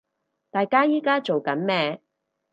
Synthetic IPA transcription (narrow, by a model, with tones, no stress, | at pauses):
t̪aː˨jkaː˥jiː˥kaː˥t͡ʃo˨wkɐ˨˥nmɛː˥